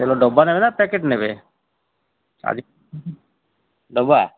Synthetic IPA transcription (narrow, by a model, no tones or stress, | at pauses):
eloɖɔbːanebenapɛkeʈnebe | a̰d͡ʒi | ɖɔba